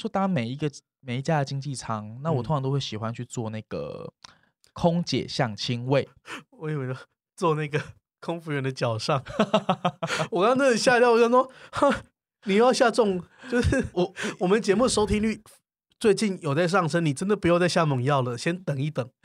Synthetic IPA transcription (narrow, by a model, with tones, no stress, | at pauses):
ʂwɔ˥t̪ɑ˥me˨˩ɪi˧˦ɡə˨ | me˨˩ɪi˧˥t͡ɕja˥˩d̪ə˨t͡ɕi˦˥ŋt͡ɕi˥˨˩t͡sʰɑ˥ŋna˥˩wɔ˨˩˧ŋʰ˨˧t̪o˥ʊwe˥˩ɕi˨˩xwa˦nt͡ɕʰy˥˧t͡swɔ˥˧na˥˩ɪɡ̥ə̰˩ | kʰʊ˦ŋt͡ɕjɛ̰˨˩ɕjɑ˥˩ŋt͡ɕʰi˦˥ŋwe˥˩ɪ | wɔ˧˦i˨˩wɛ˨˩˥ | t͡swɔ˥˧na˥˩ɡə˩ | kʰʊ˦ŋfu˧˥ɥɛ˨˩nd̪ə˨t͡ɕjɑ˨˩ʊʂɑ˥˩ŋ | wɔ˨˩kɑ˥ŋʰ˥˧t͡sʰə˥ə˨˩ɕja˥˧t̪jɑ˥˨wɔ˨˩˥ɔ˥xa˥˩ | ni˨˩˥jɑ˥˧ʊɕja˥˧t͡sʊ˥˨ŋt͡ɕo˧ʂ̩˥˩wɔ˨˩wɔ˨˩mə˨nt͡ɕjɛ˧˥mu˥˨ə˨˩ʂo˥ʊt̪ʰi˥nly˥˩ | t͡swe˥˧ɪt͡ɕi˥˩njo˨˩ʊt͡sa˥˧ɪʂ̬ɑ˥˩ŋʂə˥˦nni˨˩ʈ͡ʂə˦nd̪ə˨pu˧jo˥˧ʊt͡sa˥˧ɪɕja˥˩mə˨˩ŋjɑ˥˩ʊlə˩ɕjɛ˦nt̪ə˨˩ŋi˥˩t̪ə˨˩˦ŋ